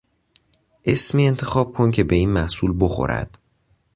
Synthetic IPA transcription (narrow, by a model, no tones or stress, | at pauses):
ʔe̞smiːe̞nt̪ʰe̞xɒːb̥̚kʰo̞ncʲʰe̞be̞iːnmæhsuːlboxo̰ɾæ̰d̪̥